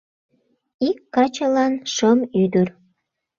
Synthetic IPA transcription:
ikːɑt͡ɕəlɑnʃəmyd̪ər

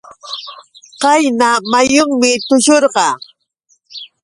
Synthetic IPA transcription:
qɑjnamajʊŋmɪt̪ʊʃoɾɢɑ

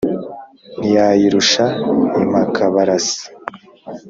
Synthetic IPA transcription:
nijaːjiɾuʃaimakʰaβaɾasi̥

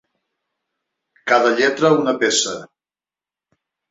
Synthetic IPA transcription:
kaðəʎɛt̪ɾəunəpesə

